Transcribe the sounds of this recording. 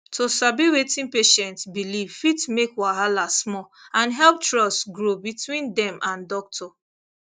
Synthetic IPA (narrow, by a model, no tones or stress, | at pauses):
tʰosabiwetĩnpeʃɛ̃ntsbilivfitmekwaɦalasmɔ | ãnɦɛlp̚tɹɔstɡɹobitʰwĩndɛ̃mʔãndɔk̚tʰɔ